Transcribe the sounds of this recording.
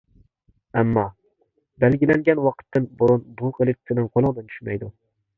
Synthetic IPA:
æmːɑ | bælɡʲilɛŋɡʲɛnwɑqʰə̥t̪ʰːɨnboɾunbuqʰəlˠɪt̪ʰːɪnɨŋqʰolˠɨŋd̪ɨnt͡ʃ̪ʰy̥ʃmɛ̰jd̪u

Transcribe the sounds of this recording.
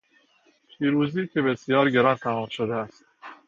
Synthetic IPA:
pʰiːɾuːziːcʰebesijɒːɾɡeɾɒːnt̪ʰæmɒːmʃod̪eæst̪

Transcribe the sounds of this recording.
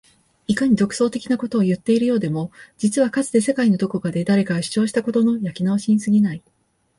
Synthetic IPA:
ikaɲ̟id̪o̞kɯ̟̥so̞ːt̪e̞kʲinako̞t̪o̞ːjɯ̟t̪ːe̞iɾɯ̟jo̞ːd̪e̞mo̞d͡ʑit͡sɨβakat͡sɨd̪e̞se̞kaino̞d̪o̞ko̞kad̪e̞d̪aɾe̞kaɡaɕi̥t͡ɕo̞ːɕi̥t̪ako̞t̪o̞no̞jakʲinaβɕiɲ̟isɨɡʲinai

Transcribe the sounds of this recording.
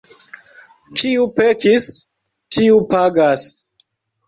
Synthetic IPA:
tʰiupekis | tʰiupaɡas

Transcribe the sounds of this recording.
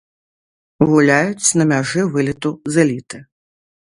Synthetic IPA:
ɣulʲajut͡sʲnɐmʲaʐɨvɨlʲit̪uzɨlʲit̪ɨ

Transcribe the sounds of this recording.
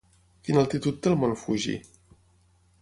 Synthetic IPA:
finalˠt̪it̪ut̪̚d̪əlˠmonfuʒḭ

